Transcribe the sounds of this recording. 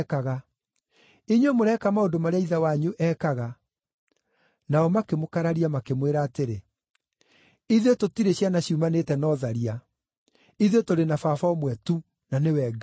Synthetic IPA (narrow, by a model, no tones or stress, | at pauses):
kaɣa | iɲwemoɾɛkamaondomaɾeaiðawaɲuʔɛkaɣa | naɔmakemokaɾaɾiamakemweɾaːteɾe | iðototiɾeɕjanaɕiumanetɛnɔðaɾia | iðotoɾenafafaɔmwɛtu | nanewɛɡa